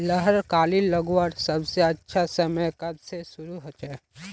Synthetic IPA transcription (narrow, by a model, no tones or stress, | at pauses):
ləɦəɾkaːliləɡwəɾsɐbseɐtːʃʰasɐməjkɐbsesʊɾuɦɐt͡ʃɛ